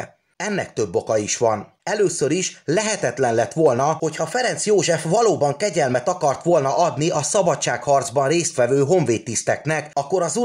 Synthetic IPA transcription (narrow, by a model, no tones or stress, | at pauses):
ɛnːɛ̰kt̪øbːo̞kɒiʃʋɒn | ɛløːsøɾiʃlɛɦɛt̪ɛt̪lɛnlɛt̪ːʋo̞lnɒho̞chɒfɛɾɛnt̪sjoːʒɛfʋɒloːbɒŋkɛɟɛlmɛt̪ɒkɒrt̪ʋo̞lnɒʔɒd̪niʔɒsɒbɒtt͡ʃːaːkhɒrd̪zbɒnreːst̪ʋɛvøːɦo̞ɱveːt̪ːist̪ɛknɛkɒkːo̞ɾɒzu